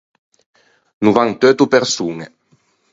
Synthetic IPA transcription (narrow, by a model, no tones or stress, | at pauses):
nuvaŋt̪øːt̪upeɾsuŋe